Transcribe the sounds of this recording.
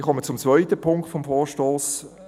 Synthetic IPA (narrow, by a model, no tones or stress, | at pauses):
χɔmət͡sʊmt͡svœʏtəpʰʊŋktfɔmfɔːʃtoːs